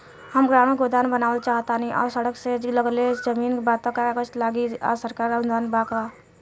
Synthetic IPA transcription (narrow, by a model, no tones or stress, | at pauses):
həmɡɾaːmeɡod̪aːnbənaːʋəlt͡ʃaːɦt̪anɦĩʔɔ̰ːɾsəɽəkseləɡled͡ʒəmiːnbaːt̪õkakəʃlaːɡia̰səɾkaːɾaʊnd̪aːnbaːka